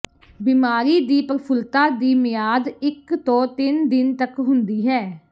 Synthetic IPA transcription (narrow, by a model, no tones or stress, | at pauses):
biːmaːɾiːd̪iːpəɾpʰʊlt̪aːd̪iːmɪjaːd̪ɪkt̪õːt̪ɪnd̪ɪnt̪əkɦʊnd̪iːɦɛː